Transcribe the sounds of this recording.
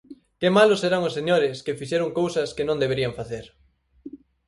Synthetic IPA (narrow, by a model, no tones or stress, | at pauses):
kemalʊseɾaŋʊsːeɲoɾɪskɪfiʃeɾʊŋkowsɐskɪnõnd̪eβeɾiɐɱfaθeɾ